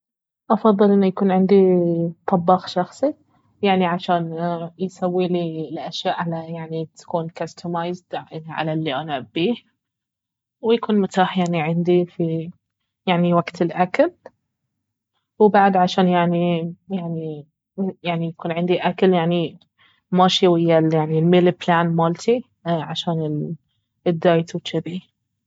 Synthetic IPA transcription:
ʔɑfɑðˤːɨlʔɪnːujakuːnʕɪnd̪it̪ˤɑbːɑxʃɑxsˤi | jaʕniʕaʃaːnjsawːiːlilʔaʃjaːʔʕalajaʕnit̪ḁkuːnkast̪ʰamajzd̪ʕa̰lalːiʔanaʕabːiːh | wjakuːnmʊt̪aːħjaʕniʕɪnd̪ifi | jaʕniwaɡt̪ɪlʔakal | wbaʕd̪ʕaʃaːnjaʕnijaʕni | jaʕnijakuːnʕɪnd̪iʔakaljaʕni | maʃiwɪjːaljaʕnilmeːlɪblaːnmɑːlt̪ʰi | ʕaʃaːnɪl | ɪd̪ːaːjt̪wʃɪɾiː

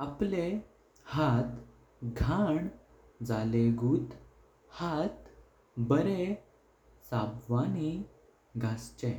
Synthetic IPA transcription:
aple | hat̪ | ɡʱaɳ | d͡zaleɡuːt̪ | hat̪ | bəɾe | sabʋani | ɡʱast͡ɕẽ

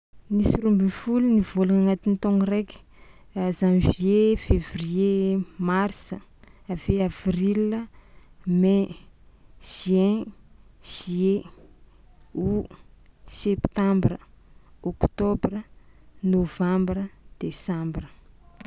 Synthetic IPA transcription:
nisiɾumbinfulunivolunaŋat̪int̪oŋirekʲi̥ | zamiviefevriemarsəaveavrilə | mɛ | ʒ̥ɛ̃ | ʒ̥ie | u | sɛpt̪ãmbrəokt̪obrənovãmbɾəd̪̥esãmbrə

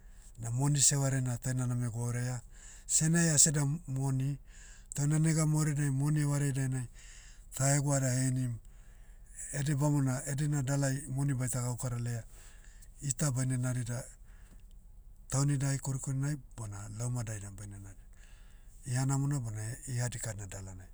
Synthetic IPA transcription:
namo̞nise̞waɾenatajnaname̞ɡaoɾea | se̞najase̞damo̞nitawnaneɡamoɾenajmo̞niewaɾedajnaj | taeɡuadahenim | edebamonaedenadalajmonibajtaɡawkaɾalea | itabajnenaɾida | tawnidajkoɾikoɾinajbonalomadajdabajnenaɾi | ianamonabonaihadikatnadalanaj

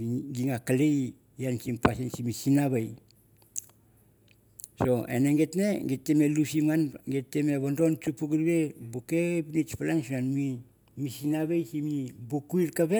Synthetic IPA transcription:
ɡiŋakalej | jansimpasinsimisinaβaj | so̞ḛneŋɡetneɡetːemelusimanɡetːemeβando̞nt͡ʃupukiɾβe̞bukepnit͡ʃpalansunanmi | misinaβejsimibukuiɾkaβe

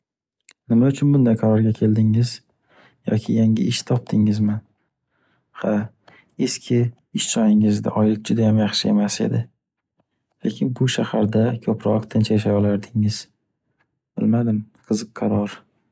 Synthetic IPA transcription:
nɪmaʊt͡ʃʰʊnbʊnd̪ajqʰɑɾɒɾɡʲakʲʰe̞ld̪ɪŋɪz̥ | jɒ̰kʲʰɪjaŋɪ̰ʔɪʃt̪ʰɒp̚t̪ʰɪŋɪzman | ha | e̞skʲʰɪ | ɪʃsɒjɪŋɪzd̪a̰ʔɒjlɪk̚ʲd͡ʒʊd̪ajamjɑχʃɪe̞mase̞̰d̪ɪ | le̞̰kʲʰɪnbʊʃahaɾd̪akʲʰɵpʰɾɒqt̪ʰɪnt͡ʃʰjaʃ̬ajɒlaɾd̪ɪŋɪz̥ | b̥ɪ̰lmad̪ɪmqʰɨzɨqːʰɑɾɒɾ

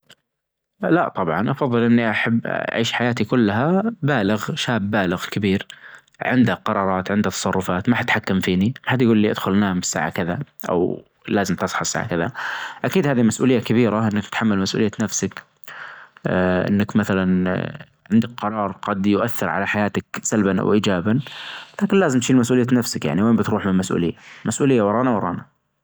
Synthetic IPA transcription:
laʔt̪ˤɑbʕɑnʔɑfɑðˤːɨlʔɪnːiʔaħabːa̰ʕḭːʃħajaːt̪ikʊlːaɦabaːlɪɣʃaːbːaːlɪɣkɪbiːɾ | ʕɪ̰nd̪haqɑɾˤɑːɾˤɑːt̪ʕɪnd̪hat̪ːɑsˤɑrˤːʊfaːt̪maħat̪ħakːamfiːniħad̪jaɡuːlːiʔɪd̪xʊlnaːmɪsːa̰ːʕa̰kɪðaʔa̰w | laːzɪmt̪ɨsˤħɑɪsːa̰ːʕa̰kɪðaʔakiːd̪haːðimasʔuːlɪjːakabiːɾaʔɪnːakt̪ħamːalmasʔṵlɪjːanafsak | ʔɪ̰nːakmaθalan | ʕɪnd̪ak̚qɑɾˤɑːɾˤɡɑd̪jʊʔaθːɪɾʕa̰laħajaːt̪aksalbanʔa̰wʔiːd͡ʒaːbanlaːkɪnlaːzɪmt̪ʃiːlmas̬ʔuːlɪjːanafsakja̰ʕniweːmbɪt̪ɾuːħmɪnmasʔṵːlɪjːamʔasʔuːlɪjːawɑɾˤɑːnawɑɾˤɑ̰ːna

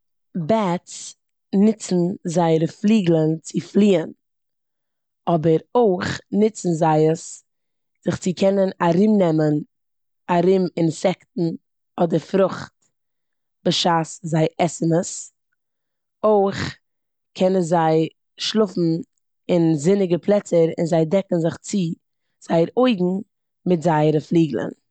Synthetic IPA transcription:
bɛt͡s | nɪt͡sn̩zaɪɾəflˠiːɡlˠənt͡sɪflˠiːən | ɔbəɾoɪχnɪt͡sn̩zaɪəs | z̥ɪχt͡sɪkʰɛnənaɾɪmnɛmən | aɾɪmɪnsɛktn̩ | ɔdəɾfɾʊχt | b̥ɪʃaːszaɪʔɛsəməs | oɪχ | kʰɛnənzaɪ | ʃlˠʊfn̩ | ɪnzɪnɪɡəpʰlˠɛt͡səɾɪ̰nzaɪdɛkn̩zɪχt͡sɪ | z̥aɪəɾoɪɡŋ̩ | mɪtzaɪəɾəflˠiːɡl̩ˠə̰n

